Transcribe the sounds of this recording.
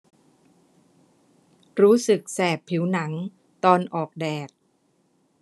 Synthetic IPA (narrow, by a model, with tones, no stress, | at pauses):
ɾuː˦˥sɯ˨˩k̚sɛː˨˩pʰːi˩˦wna˩˦ŋ | t̪ɔː˧nʔɔː˨˩k̚dɛː˨˩t̪̚